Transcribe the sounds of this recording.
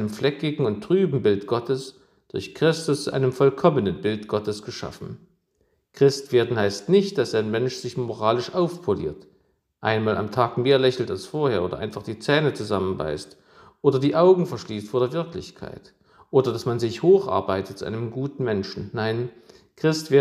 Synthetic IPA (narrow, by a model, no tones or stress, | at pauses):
nəmflɛkɪɡŋ̩ʊntʁ̥yːbm̩bɪltɡ̥ɔtəs | d̥ʊɐçkʁ̥ɪstʊst͡suʔa̰ɪnəmfɔlkʰɔmənənbɪltɡ̥ɔtəsɡ̥əʃa̰fn̩ | kʁ̥ɪstv̥eːɐdn̩haɪstnɪçt̚d̥asaɪnmɛnʃz̥ɪçmoʁaːlɪʃʔaʊfpʰolḭːɐt | ʔa̰ɪnmaːlʔa̰mtʰaːkmeːɐlɛçl̩talsfoːɐheːɐoːdɐʔaɪnfaχd̥iːt͡sɛːnət͡suzamənba̰ɪst | ʔoːdɐdiːʔaʊɡŋ̩fɛɐʃliːstfoːɐdeːɐvɪɐklɪ̰çkʰa̰ɪt | ʔoːdɐdasmanzɪçhoːxʔa̰ɐbaɪtət̚t͡suʔa̰ɪnəmɡuːtn̩mɛnʃn̩naɪn | kʁ̥ɪstv̥eːɐ